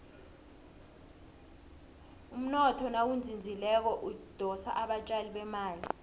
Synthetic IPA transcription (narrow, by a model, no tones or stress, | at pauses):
um̩nɔtʰɔnawund͡zʱind͡zʱilɛk̬ɔʔud̥ʱɔsa̰ʔaɓat͡ʃʼaliɓɛmaːli